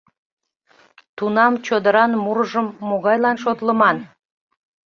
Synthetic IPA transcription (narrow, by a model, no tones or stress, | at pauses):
t̪unɑmt͡ɕod̪əɾɑnmuɾəʒəmːoɣɑjlɑnʃot̪ləmɑn